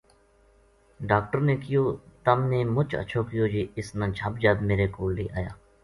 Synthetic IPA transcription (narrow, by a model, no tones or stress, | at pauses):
ɖaːk̚ʈəɾneːkɪjoːt̪əmneːmʊt͡ʃə̰t͡ʃʰoːkɪjoːd͡ʒeːɪsnãːt͡ʃʰaːbd͡ʒaːd̪meːɾeːkoːlːḛːʔa̰ːja̰ː